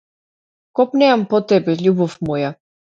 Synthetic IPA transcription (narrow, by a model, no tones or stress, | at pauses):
kɔpnɛampɔt̪ɛbɛʎʲubɔfmuja